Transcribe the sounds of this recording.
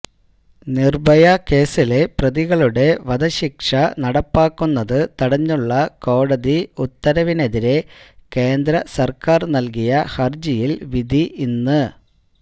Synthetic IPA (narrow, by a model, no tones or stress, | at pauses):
nirbɐjɐke̞ːsile̞prɐðiɣɐɭuɽe̞ʋɐd̪ɐɕikʂɐnɐɽɐpːaːkːunːɐðɨt̪ɐɽɐɲːuɭːɐko̞ːɽɐðiut̪ːɐɾɐʋine̞ðiɾe̞ke̞ːnd̪ɾɐsɐrkaːrnɐlkijɐhɐrd͡ʑijilʋid̪ʱiʔinːɨ